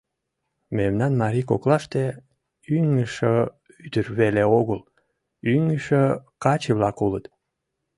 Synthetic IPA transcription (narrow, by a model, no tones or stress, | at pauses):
memnɑnmɑɾʲikoklɑʃt̪e | yŋəʃə | yt̪ərβeleoɣəl | yŋəʃəkɑt͡ɕeβlɑkulət̪